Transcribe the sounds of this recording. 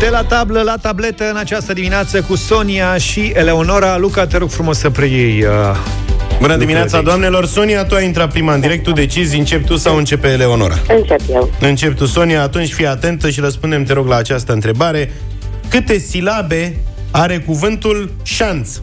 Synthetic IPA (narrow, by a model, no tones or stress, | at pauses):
t̪elat̪abləlat̪able̞t̪əɨnat͡ʃast̪əd̪imineat̪səkuso̞niaʃiele̞ono̞ɾalukat̪eɾoɡ̥fɾumo̞səpɾejejə | bunəd̪imineat̪sad̪oamne̞lo̞rso̞niat̪uajint̪ɾat̪̚pɾimaɨnd̪iɾe̞k̚t̪ːud̪e̞t͡ʃizʲɨnt͡ʃe̞p̚t̪usawɨnt͡ʃe̞peːle̞ono̞̰ɾa̰ɨnt͡ʃepjeɨnt͡ʃe̞p̚t̪uso̞niaːt̪unt͡ʃʲfijat̪e̞nt̪əʃiɾəspund̪e̞mt̪e̞ɾo̞ɡlaːt͡ʃast̪əɨnt̪ɾe̞baɾe̞ | kɨt̪e̞silabe̞ | aɾe̞kuvɨnt̪ul | ʃans